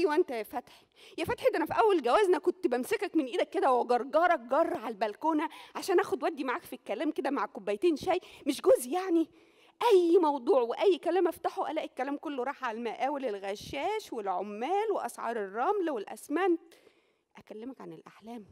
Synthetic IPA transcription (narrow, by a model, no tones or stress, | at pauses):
ʔæjwæʔent̪æjæfæt̪ħi | jæfæt̪ħʔet̪ʔænæfiʔæwːælɡæwæːznækont̪bæmsekækmenʔiːd̪ækːed̪æweɡɑɾˤɡɑːɾˤɑk̚ɡɑrˤːɑʕalbælkoːnæʕaʃæːnʔæːxod̪wæd̪ːimaʕaːkfikːælæːmked̪æmaʕkobːæjt̪eːnʃæjmeʃɡozʔjaʕni | ʔæjːmɑwd̪ˤuːʕweʔæjːkælæːmʔæft̪aħoʔælæːʔekːælæːmkolːoɾˤɑːħʕaælmæʔæːwelelɣæʃːæːʃwelʕomːæːlweʔɑsʕɑ̰ːɾˤerˤːɑmlæwelʔæ̰smænt̪ | ʔækælːemækʕanelʔaħlæːm